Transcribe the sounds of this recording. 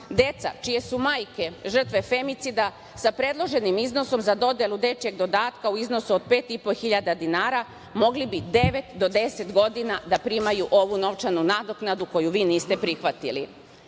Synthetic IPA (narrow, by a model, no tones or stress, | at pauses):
d̪e̞t̪sa̰t͡ʃije̞sumaːjke̞ʒr̩t̪ʋe̞fe̞mit̪sid̪a | sapɾe̞d̪lˠo̞ʒe̞nimizno̞so̞mzad̪o̞d̪je̞lˠud̪e̞t͡ʃje̞ɡd̪o̞d̪aːt̪kauizno̞suod̪̚pe̞ːt̪ipo̞xiʎad̪ad̪inaːɾa | mo̞ɡlibid̪e̞ʋe̞t̪d̪o̞d̪e̞se̞t̪ɡo̞d̪inad̪apɾimajuʔo̞ʋuno̞ʋt͡ʃanunad̪oknad̪uko̞juʋiːniːst̪e̞pɾixʋat̪ili